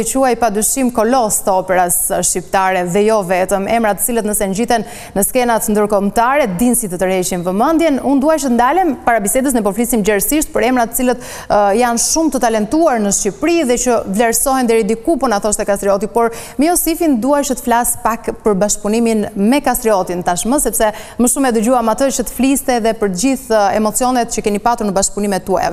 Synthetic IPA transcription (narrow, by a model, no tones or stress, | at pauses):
ɛt͡ɕuajpad̪yʃimkɔlɔst̪əɔpɛɾasʃcipt̪aɾɛðɛjɔvɛt̪əmɛmɾat̪ə̥t͡silət̪nəsɛnd͡ʑit̪ɛnː | əskɛnat̪nd̪əɾkɔmt̪aɾɛd̪insit̪ət̪əɾhɛt͡ʃinvəmənd̪jɛnund̪uajt͡ʃət̪ənd̪alɛmpaɾabisɛd̪əs̬nɛpɔflisimd͡ʑɛɾsiʃt̪̚pəɾɛmɾat̪ə̥t͡silət̪ | janʃumt̪ət̪alɛnt̪uaɾnəʃcipɾiðɛt͡ɕəvlɛɾsɔɦɛnd̪ɛɾid̪ikupənaθɔʃt̪ɛkast̪ɾiɔt̪ipɔɾmiɔsifind̪uat͡ʃət̪ə̥flaspakpəɾbaʃk̚puniminmɛkast̪ɾiɔt̪int̪aʃməsɛpsɛməʃumɛd̪əd͡ʑuamat̪ət͡ʃət̪ə̥flist̪ɛðɛpəɾd͡ʑiθɛ̰mɔt͡siɔnɛt̪̚t͡ʃəkɛnipat̪uɾnəbaʃkpunimɛt̪ːua̰ɛ̰vɛ